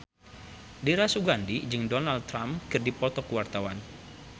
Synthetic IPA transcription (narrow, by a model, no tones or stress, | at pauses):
diɾasuɡandid͡ʒɨŋdɔnaldt̪ːɾamkɨrdipɔt̪ɔkuwart̪awan